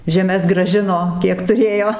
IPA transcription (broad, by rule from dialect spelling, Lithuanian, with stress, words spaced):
ʒʲɛˈmʲɛs ɡrɐˈʒʲɪnoː ˈkʲiɛk tʊˈrʲeːjoː